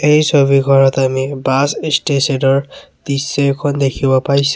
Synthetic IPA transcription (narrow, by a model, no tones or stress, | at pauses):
ejsobiɡʱɔɹɔtamibasistesedɔɹ | d̥isːekʰɔndekʰibɔpaɹisɛ̥